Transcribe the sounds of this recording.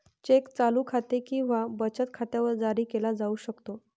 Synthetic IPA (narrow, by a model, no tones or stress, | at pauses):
t͡ɕekt͡saluːkʰat̪ekĩw̃ʋabət͡ɕət̪̚kʰat̪jaʋəɾd͡zaɾiːkelad͡zauːɕəkt̪o